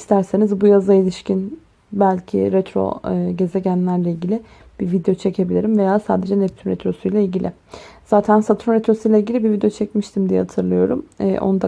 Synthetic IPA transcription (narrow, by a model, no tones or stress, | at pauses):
ist̪ʰæɾsenizbujazailʲiʃcʰin | bælʲcʰḭɾɛt̪ʰɾo̰ɟe̞zeɟænlʲæɾlʲailʲɟilʲɪ | b̥iɾvid̪ejo̞t͡ʃʰe̞cʰe̞bilʲiɾimve̞jaːsa̰ːd̪e̞d͡ʒɛnɛp̚t̪ʰymɾet̪ʰɾo̞sujlʲailʲɟilʲɪ̰ | z̥aːt̪ʰænsat̪ʰɾumɾet̪ɾo̞sujlʲailʲɟilʲibiɾvid̪ejot͡ʃʰɛcmiʃt̪ʰimd̪ijɛ̰hat̪ʰɯɾlˠɯjo̞̰ɾumɛ̰ʔo̰nud̪a